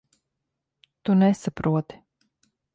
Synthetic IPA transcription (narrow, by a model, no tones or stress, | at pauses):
t̪unɛsapɾuɔt̪i̥